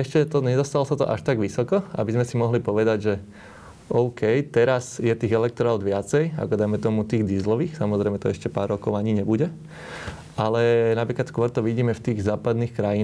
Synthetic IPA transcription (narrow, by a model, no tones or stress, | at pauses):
ɛʃcɛt̪ɔɲɛd̪ɔst̪alɔsat̪ɔ̰ʔa̰ʃt̪aɡʋisɔkɔa̰bizmɛsimɔɦlipɔʋɛd̪aɟʒɛ | ɔʊkɛjt̪ɛɾazjɛt̪iːɣɛlɛk̚t̪ɔɾaʊd̪ʋɪat͡sɛja̰kɔd̪ajmɛt̪ɔmut̪iːɣd̪izlɔʋiːxsamɔzɾɛjmɛt̪ɔɛʃcɛpaːɾːɔkɔʊaɲiɲɛbuɟɛ | ʔalɛnapɾiːklat̪skʊɔɾt̪ɔʋiɟiːmɛft̪iːɣzaːpad̪niːxkɾajin